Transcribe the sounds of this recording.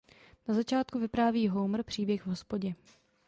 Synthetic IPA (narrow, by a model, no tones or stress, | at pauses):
nazat͡ʃaːt̪kuvɪpɾaːviːɦowmr̩pr̝̥iːbjɛxvɦospoɟɛ